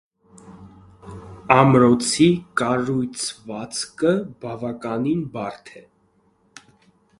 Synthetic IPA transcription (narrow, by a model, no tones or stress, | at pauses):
ɑmɾɔt͡sʰikɑɾujt͡sʰvɑt͡sʰkəbɑvɑkɑninbɑɾt̪ʰɛ